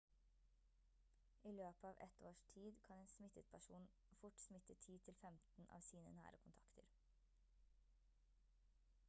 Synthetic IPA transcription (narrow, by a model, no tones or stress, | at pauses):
ʔiːløːpəɑːʋʔɛ̰t̪oːʃʈʰiːd̪kʰɑneːnsmɪt̪ət̪̚pʰæʃuːn | fʊʈsmɪt̪ət̪ʰiːt̪ʰɪlfɛmt̪n̩ʔɑ̰ːʋsiːnə̰næ̰ːɾəkʰʊnt̪ʰɑkt̪ʰə̰ɾ